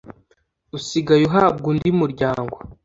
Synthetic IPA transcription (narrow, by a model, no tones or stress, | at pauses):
usiɡajuɦaːb̚ɡundimuɾɟaːŋɡo